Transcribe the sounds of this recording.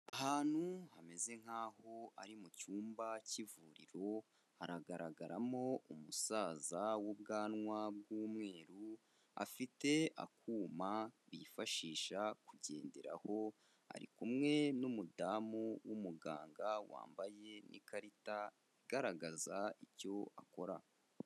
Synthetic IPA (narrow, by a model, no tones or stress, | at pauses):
aɦaːn̥huhame̞ze̞ŋ̥haːho̞aɾimucuːmbacivuːɾiɾo̞ | haɾaɡaɾaɡaɾamo̞umusaːzawubɡaːnŋwab̚ɡuːmŋe̞ːɾu | a̰fite̞a̰kʰuːmaβifaʃiːʃakuɟe̞̰ːnde̞ɾa̰ho̞ | a̰ɾḭkumŋe̞numudamuwumuɡaːŋɡawa̰ːmbaje̞nʔḭkaɾita | iɡaɾaɡazaico̞ako̞ɾa